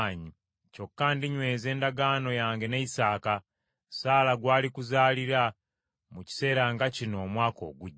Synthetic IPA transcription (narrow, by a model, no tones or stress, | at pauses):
ɲi | co̞kːaːndiɲwe̞ːze̞ːndaɡano̞jaːŋɡe̞neisaːka | saːlaɡwaːlikuzaːliɾa | muci̥se̞ːɾaŋɡacino̞ːmwaːko̞̰ːɡuɟː